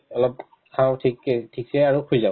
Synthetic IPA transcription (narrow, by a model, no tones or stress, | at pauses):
ɔlɔp̚ | kʰãw̃tʰiktʰiksɛaɹukʰujza